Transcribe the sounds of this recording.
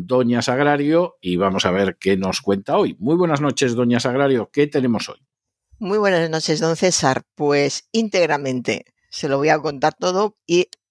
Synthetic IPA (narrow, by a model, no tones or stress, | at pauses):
d̪o̞ɲasaɣ̞ɾaɾjoiβ̞amo̞saβ̞e̞ɾkeno̞skwe̞nt̪ao̞jmwuijβwe̞nazno̞t͡ʃe̞zðo̞ɲasaɣ̞ɾaɾjo̞ke̞t̪e̞ne̞mo̞so̞̰j | mwijβwe̞nazno̞t͡ʃe̞zðõ̞nθe̞sa̰ɾpwe̞sint̪e̞ɣɾamẽ̞nt̪e̞̰ | se̞loβojako̞nt̪aɾt̪o̞ðoi